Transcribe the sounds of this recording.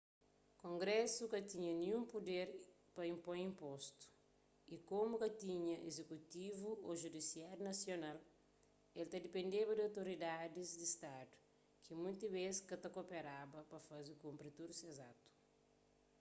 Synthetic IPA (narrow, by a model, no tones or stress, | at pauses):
kõŋɡɾɛsukɐt̪iɲɐniɲũmpud̪eɾ | pɐĩmpõjĩmpɔst̪u̥ | ikomukɐt̪iɲɐʔḛzekut̪ivuoʒud̪isiaɾunɐsjonal | elt̪ɐd̪ipẽnd̪ebɐdawt̪oɾid̪ad̪izd̪ist̪ad̪u̥ | kimũjt̪ɐβeskɐt̪ɐkopeɾabɐpɐfɐzikũmpɾit̪uɾsezat̪u̥